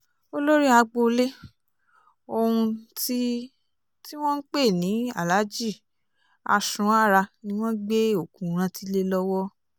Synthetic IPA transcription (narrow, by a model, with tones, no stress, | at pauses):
o˦lo˦ɾi˦a˧ɡ͡bo˧le˦ | o˧hũ˧ti˦ | ti˦w̃ɔ̃˦n̩˦k͡pe˦˨nĩ˨˦a̰˦˨la˨˦d͡ʒi˦˨ | a̰˧sũ˧˦a˦˨ɾa˧nĩ˦w̃ɔ̃˦ɡ͡be˦o˦˨kũ˨ɾ̃ã˧ti˧le˦lɔ˦wɔ˦